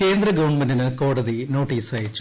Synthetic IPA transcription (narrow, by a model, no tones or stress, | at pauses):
ke̞ːnd̪rɐɡɐʋɐɳmɐndinɨko̞ːɽɐðino̞ːʈːiːsaːjit͡ɕː